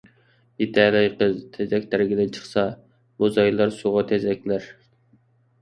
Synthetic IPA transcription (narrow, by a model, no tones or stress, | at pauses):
it̪ʰɛlɛjqəzt̪ʰɛzɛkʲt̪ʰæɾɡʲɪd̪ɪnt͡ʃʰə̥χsɑ | muzɑjlˠɑɾsuʁɑt̪ʰɛzɛkʲlæɾ